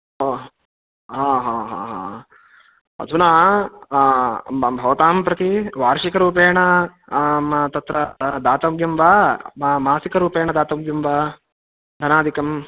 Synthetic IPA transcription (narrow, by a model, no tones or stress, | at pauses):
o | ɦaːɦaːɦa̰ːɦa̰ː | ɐ̰d̪ʱunaː | bʱɐʋɐt̪aːmpɾɐt̪iʋaːɾʂikɐɾuːp̬eːɳɐ | t̪ɐt̪ɾɐd̪aːt̪ɐɡjɐmʋaːmaːsikɐɾuːpeːɳɐd̪aːt̪ɐɡjɐmʋa | d̪ʱɐnaːd̪ʱikɐm